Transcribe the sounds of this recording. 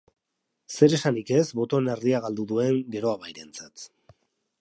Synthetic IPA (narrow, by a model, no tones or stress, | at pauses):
se̞ɾe̞sanike̞zβo̞t̪o̞ne̞ɾðiaɣ̞ald̪uðue̞ŋɡe̞ɾo̞aβajɾe̞nt͡sat̪